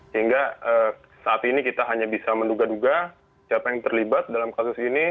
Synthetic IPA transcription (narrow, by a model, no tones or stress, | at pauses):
səɦiŋɡaəː | saːt̪inikit̪aɦaɲabisamənduɡaduɡa | siapajaŋt̪ərlibat̪̚dalamkasʊsini